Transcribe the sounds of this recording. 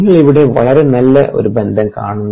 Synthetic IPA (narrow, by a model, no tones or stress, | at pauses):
ŋːɐɭiʋiɽe̞ʋɐ̰ɭɐɾe̞nɐlːɐʔo̞̰ɾubend̪ʱɐmka̰ːɳunː